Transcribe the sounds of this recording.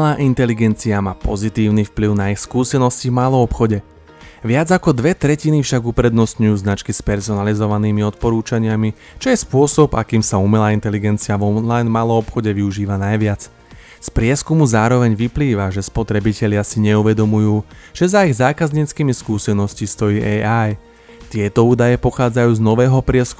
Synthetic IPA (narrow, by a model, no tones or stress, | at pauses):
laːʔint̪ɛliɡɛnt͡siamaːpɔzit̪iːʊnifpliʊnaixskuːsɛnɔscivmaːlˠɔɔpxɔɟɛ | ʋɪad͡zakɔd̪ʋɛt̪ɾɛcinifʃaɡupɾɛd̪nɔst̪ɲujuːznat͡ʃkispɛɾsɔnalizɔʋaniːmiɔt̪̚pɔɾuːt͡ʃaɲɪami | t͡ʃɔjɛspʊɔsɔba̰kiːmsaumɛlaːint̪ɛliɡɛnt͡siavɔlajnmaːlˠɔɔpxɔɟɛʋiuʒiːʋanajʋɪat͡s | spɾɪɛskumuzaːɾɔʋɛɲʋipliːʋaʒɛspɔt̪ɾɛbicɛʎɪasiɲɛuʋɛd̪ɔmujuːʒ̥ɛzaiɣzaːkazɲiːt͡skiːmiskuːsɛnɔscist̪ɔjiːʔɛaj | t̪ɪɛt̪ɔuːd̪ajɛpɔxaːd͡zajuːznɔʋɛːɦɔpɾɪɛsk